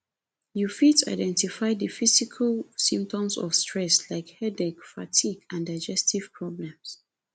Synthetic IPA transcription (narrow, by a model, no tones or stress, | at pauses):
jufita̰ɪdɛ̃ntifaɪdəfisikʰalsĩmp̚tɔ̃msɔ̰fstʰɹɛslaɪkhɛdɛkfa̰tʰiɡãndaɪd͡ʒɛstʰiv̥pʰɹɔblɛ̃ms